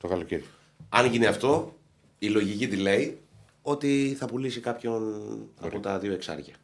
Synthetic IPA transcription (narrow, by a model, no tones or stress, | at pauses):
t̪okɐlociɾ | ɐnʝineɐft̪o̞ | ilo̞ʝicit̪ile̞i | o̞t̪iθɐpulisikɐpço̞nɐ̰po̞t̪ɐðio̞e̞ksɐ̰ɾʝɐ